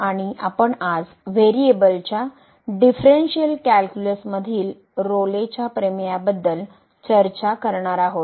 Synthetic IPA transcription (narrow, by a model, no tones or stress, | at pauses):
aɽ̃iʔapəɳad͡z | ʋeɾiebəlt͡ɕja | ɖifɾenɕiəlkælkjuləsməd̪ʱiːl | ɾolet͡ɕjapɾemjabəd̪ːəl | t͡ɕəɾt͡ɕakəɾɳaɾaɦot̪